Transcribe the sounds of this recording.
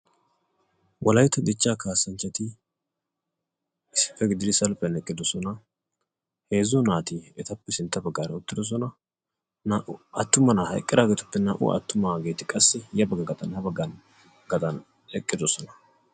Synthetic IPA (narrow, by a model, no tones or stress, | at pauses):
wʔɐlɐjt̪ːɐd̪ɪt͡ʃːaːkaːsɐnt͡ʃːɐt̪ɪ | ɪsɪ̥pːɛɡɪd̪ɪd̪ɪsɐlpɛnɛkʼːɪd̪ɔsɔnɐ | he̞ːzʊnaːt̪ɪɛt̪ɐpːɛsɪnt̪ːɐbɐɡːaːɾɐʊt̪ːɪd̪ɔs̬ɔnɐ | naʔʊɐt̪ːʊmɐnɐhɐ̰jkʼːɪd̪aːɡeːt̪ʊpːɛnaːʔʊ̰ʔɐ̰t̪ːʊmaɡe̞ːt̪ɪkʼɐsːɛjɐbɐɡɐɡɐt̪ʼɐnhɐbɐɡːɐn | ɡɐt̪ʼɐn | ɛkʼːɪd̪ɔsɔnɐ̥